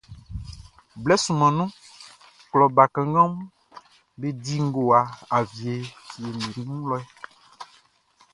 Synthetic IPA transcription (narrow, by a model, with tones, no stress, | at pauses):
blɛ˦su˨mã˨nũ˦ | klɔ˨ba˨kɛ̃˨ŋ˦ɡɔ̃˦mũ˦ | be˦˨di˦ŋ˦ɡo˨a˨a˨vi˨e˨e˨mĩ˨nũ˦lɔ˦ɛ˦